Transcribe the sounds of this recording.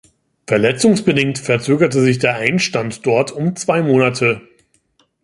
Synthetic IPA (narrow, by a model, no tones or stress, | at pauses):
fɛɐlɛt͡sʊŋsb̥ədɪŋ̚tfɛɐt͡søːɡɐtəzɪçd̥eːɐʔaɪnʃtantd̥ɔɐtʰʊmt͡sv̥aɪmoːnatʰə